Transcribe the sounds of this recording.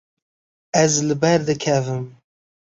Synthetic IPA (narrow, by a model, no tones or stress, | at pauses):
ɛzlɨbɛɾd̪ɨkʰɛvɨm